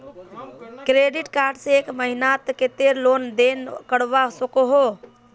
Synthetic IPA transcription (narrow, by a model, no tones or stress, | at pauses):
kɾeɖiʈkaɾɖsẽekməɦinat̪ket̪eɾlond̪enkəɽʋasəkoɦo